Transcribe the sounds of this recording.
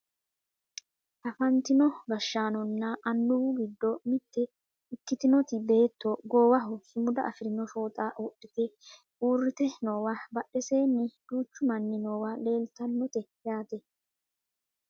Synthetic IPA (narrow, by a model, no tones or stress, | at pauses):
ʔɐfɐnt̪ɪnɔbɐʃːaːnɔnːɐɐnːʊwʊɡɪd̪ːɔmɪt̪ːɛ | ɪkːɪt̪ɪnɔt̪ɪbe̞ːt̪ːɔɡoːwɐɦɔsɪmʊd̪ɐ̰ʔɐfɪɾɪnɔfo̞ːt̪ʼawɔɗːɪt̪ɛ | uːrːɪt̪ɛnoːwɐbɐɗːɛse̞ːnːɪd̪̥uːt͡ʃːʊmɐnːɪnoːwɐle̞ːlt̪ɐnːɔt̪ɛjaːt̪ɛ